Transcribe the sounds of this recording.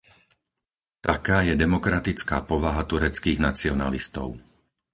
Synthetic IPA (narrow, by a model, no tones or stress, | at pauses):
t̪akaːjɛd̪ɛmɔkɾat̪it͡ska̰ːpɔʋaɦat̪uɾɛt͡skiːɣnat͡siɔna̰list̪ɔ̰ʊ